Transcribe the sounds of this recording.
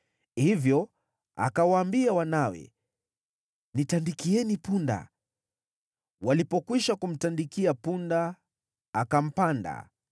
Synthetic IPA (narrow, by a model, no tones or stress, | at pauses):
hivjɔ | a̰kawaːmbiawanawɛ̰ | nitandikiɛnipunda̰ | walipɔkwiʃakum̩tandikiapundaː | kam̩panda̰